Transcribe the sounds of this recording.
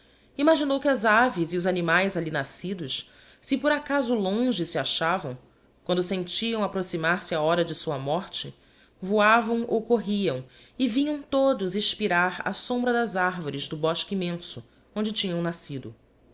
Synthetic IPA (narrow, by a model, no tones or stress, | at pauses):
imaʒinowkɪazaviziʊzanimajzalinasid̪ʊʃ | sɪpoɾakazʊlõʒɪsɪaʃavɐ̃w̃ | kwɐ̃nd̪ʊsẽnt͡ʃiɐ̃w̃apɾosimaɾsɪaɔɾɐd͡ʒɪsuɐmɔɾt͡ʃɪ | vuavɐ̃w̃ʔowkoɦiɐ̃w̃ | ɪvĩɲɐ̃w̃t̪od̪ʊziʃpiɾaɾa̰sõmbɾɐd̪ɐzaɾvoɾɪzd̪ʊbɔʃkimẽsʊ | õnd͡ʒɪt͡ʃĩɲɐ̃w̃nasid̪ʊ